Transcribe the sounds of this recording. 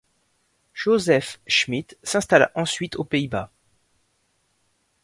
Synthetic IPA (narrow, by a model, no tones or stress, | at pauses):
ʒ̥ozɛfʃmit̪sɛ̃st̪ala̰ʔɑ̃sɥit̪opeiba̰